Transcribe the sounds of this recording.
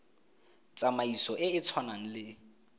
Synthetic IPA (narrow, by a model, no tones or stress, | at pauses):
t͡sʼamaisɔʔɪɪt͡sʰwanaŋ̩lɪ